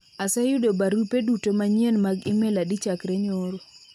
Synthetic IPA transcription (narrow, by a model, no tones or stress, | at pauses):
asɛjʊdobaɾupedutomaɲenmaɡɪmɛladit͡ʃakɾeɲoɾo